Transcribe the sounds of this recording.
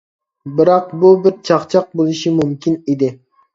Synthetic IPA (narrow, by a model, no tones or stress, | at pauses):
bɪɾɑqbubɪɾt͡ʃʰɑχt͡ʃʰɑq̚bolˠɪʃimumkʲʰinid̪ɪ